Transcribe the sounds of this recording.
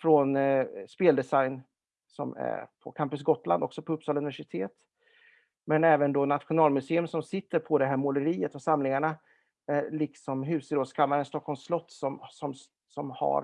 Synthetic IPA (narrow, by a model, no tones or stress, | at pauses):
fɾɔnspeːld̪ɛsajn | sɔ̰mæ̰ɾpʰɔkʰampɵs̬ɡɔt̪ːland̪ɔ̰ksɔpʰɔɵpsɑːlɵnɪvæʂɪt̪ʰeːt̪ | mɛnɛːvənd̪ɔnat̪ɧʊnɑːlmɵseːɵmsɔmsɪt̪ːəɾpʰɔd̪ɛɦæːɾmʊləɾiːət̪ɔsamlɪŋaɳa | ælɪksɔmɦʉ̟ːsɪɾoːd̪skʰamːaɾənst̪ɔkʰːɔlmslɔt̪ːsɔmsɔm | sɔmha̰ɾ